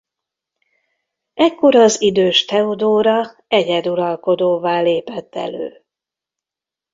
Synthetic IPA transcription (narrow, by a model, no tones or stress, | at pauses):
ɛkːo̞ɾɒzid̪øːʃt̪ɛod̪oːɾɒ | ɛɟɛd̪uɾɒlko̞d̪oːvaːleːpɛt̪ːɛ̰lø̰ː